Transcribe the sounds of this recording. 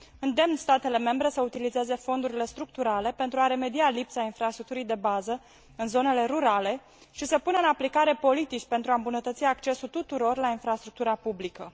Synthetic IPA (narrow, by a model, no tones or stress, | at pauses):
ɨnd̪e̞mnst̪at̪e̞le̞me̞mbɾe̞səut̪ilize̞ze̞fo̞nd̪uɾile̞st̪ɾuk̚t̪uɾale̞pe̞nt̪ɾuaɾe̞me̞d̪ialipsainfɾast̪ɾuk̚t̪uɾijd̪e̞bazə | ɨnzo̞ne̞le̞ɾuɾale̞ | ʃisəpunəɨnaplikaɾe̞po̞lit̪it͡ʃʲpe̞nt̪ɾuaɨmbunət̪ət̪siakt͡ʃe̞sult̪ut̪uɾo̞rlainfɾast̪ɾuk̚t̪uɾapublikə